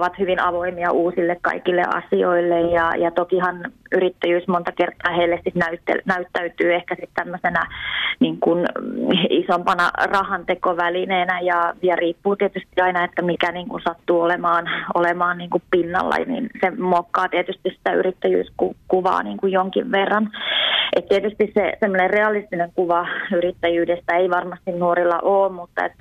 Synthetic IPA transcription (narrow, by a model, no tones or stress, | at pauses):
ʋɑt̪hyʋinɑʋoimiɑʔuːsilːekkɑ̰ikilːḛʔɑ̰sioilːejjɑjɑt̪okihɑnyrit̪ːæjyːsmont̪ɑkert̪ːˑɑːheilːesit̪næyt̪ːḛnæyt̪ːæyt̪yːehkæsit̪t̪æmːøsenæniːŋkun | isompɑnɑ̰rɑhɑnt̪ekoʋælineːnæjɑjɑriːpːuːt̪iet̪yst̪iɑinɑet̪ːæmikæniːŋkunsɑt̪ːuːolemɑːnolemɑːnniːŋkuppinːɑ̰lːɑ̰nḭnsemokːɑːt̪iet̪yst̪issi̥t̪æyrit̪ːæjy̰ːskukuʋɑ̰ːniːŋkujoŋkiʋʋerːɑnʔet̪t̪iet̪yst̪issesemːonerreɑlist̪ineŋkuʋɑyrit̪ːæjyːdest̪æeiʋɑrmɑst̪innuoɾilːɑ̰ʔoːmmut̪ːɑḛt̪